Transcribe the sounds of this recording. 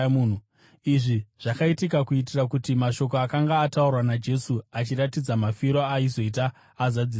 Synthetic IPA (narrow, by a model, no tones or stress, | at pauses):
mun̤u | iʐiʐ̥akaitikakuit̬irakutimaʃo̞k̬oakaŋɡaːtaurwanad͡ʒe̞suat͡ʃiratid͡zamafiɾoaizo̞it̬aː | zad͡zi